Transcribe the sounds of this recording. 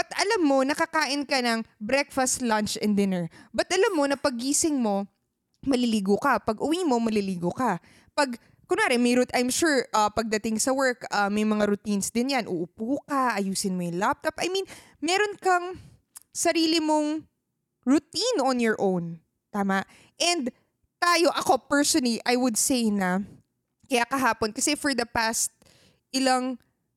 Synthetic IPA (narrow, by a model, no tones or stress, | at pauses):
bɐt̪ʔɐlamːo̞nɐkɐkaːʔɪnkɐnɐŋbɾɛkfɐst̪lant͡ʃɛnd̪ɪnɛɹbɐt̪̚ʔɐlamːo̞nɐpɐɡːiːsɪŋmo̞ | mɐlɪliːɡokɐpɐɡʔʊwiːmo̞mɐliliːɡokɐ | pɐɡ | kʊnaːɾɪmɐjɾʊt̪ʔajmʃuɹʔɐpɐɡ̚d̪ɐt̪ɪŋsɐwɛɹkɐmːɐjmɐŋaɾʊt̪insd̪ɪnjanʔʊʔʊpuːkɐʔɐjuːsɪnmojʊŋlap̚t̪ɐpʔɐjmĩn | mɛɾonkɐŋ | sɐɾiːlɪmoŋ | ɹʊt̪inonjɔɹʔõwn | t̪aːmaʔ | ʔɛnd̪ | t̪aːjo̞ʔɐko̞pɛɹsonɐliʔɐjwʊd̪sejnɐ | kɐjakɐɦaːponkɐsɛfɔɹd̪ɐpast̪̚ | ʔɪlaŋ